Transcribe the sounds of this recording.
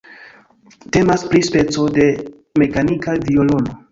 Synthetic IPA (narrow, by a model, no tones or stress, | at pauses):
te̞maspɾispe̞t͡so̞de̞ | me̞kanikaviolo̞no̞